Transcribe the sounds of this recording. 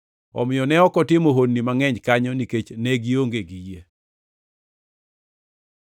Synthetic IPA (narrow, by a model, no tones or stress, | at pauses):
ɔ̰mɪjɔnɛɔkɔtɪmoɦonːimaŋɛɲkaɲɔniket͡ʃnɛɡioŋɡeɡije